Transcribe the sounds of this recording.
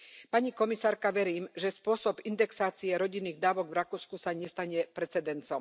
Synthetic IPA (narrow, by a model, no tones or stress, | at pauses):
paɲikɔmisaːɾkaʋɛɾiːmʒɛspʊɔsɔbind̪ɛksaːt͡siɛɾɔɟinːiːɣd̪aːʋɔɡvɾakuːskusaɲɛst̪aɲɛpɾɛt͡sɛd̪ɛnt͡sɔm